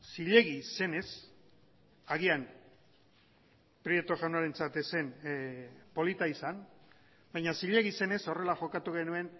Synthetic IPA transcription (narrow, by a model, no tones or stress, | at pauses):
siʎe̞ɣise̞ne̞s | aɣian | pɾjet̪oʝawnaɾe̞nt͡sat̪ese̞n | po̞lit̪aisan | bajɲasiʎe̞ɣise̞ne̞so̞re̞laʝo̞kat̪uɣe̞nue̞n